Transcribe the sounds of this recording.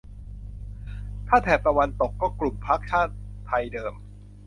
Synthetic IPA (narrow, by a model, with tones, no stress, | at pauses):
t̪ʰaː˥˩t̪ʰɛː˨˩p̚t̪a˧wa˧nt̪o˨˩kːɔː˥˩klu˨˩mpʰa˦˥k̚t͡ɕʰaː˥˩t̪̚ːʰa˧jdɤː˧m